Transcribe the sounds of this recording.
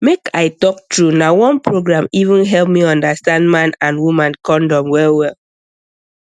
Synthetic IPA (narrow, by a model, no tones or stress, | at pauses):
mekaɪtɔk̚tɹunawɔ̃npɹoɡɹãmivũnɦɛlp̚miɔ̃ndastãndmãnãnwumãnkɔ̃ndɔ̃mwɛlwɛl